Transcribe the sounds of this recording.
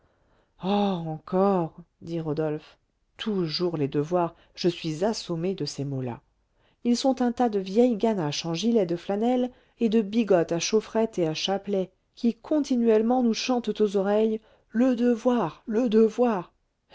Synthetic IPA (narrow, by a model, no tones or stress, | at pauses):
ɔɑ̃kʰɔʁd̪iʁɔd̪ɔlf | t̪ʰuʒuʁled̪əvwaʁ | ʒ̥əsɥizasomed̪əsemola̰ | ilsɔ̃t̪ɛ̃t̪ad̪əvjɛjɡanaʃɑ̃ʒilɛd̪əflanɛl | ed̪əbiɡɔt̪aʃofχɛt̪eaʃaplɛ | kʲʰikʰɔ̃t̪inɥɛlmɑ̃nuʃɑ̃t̪t̪ozɔʁɛj | ləd̪əvwaʁləd̪əvwaʁ